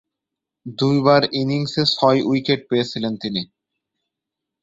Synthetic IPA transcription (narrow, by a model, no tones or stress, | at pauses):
d̪ujbaɾiniŋsesɔjujkeɖ̚peet͡ɕʰilent̪ini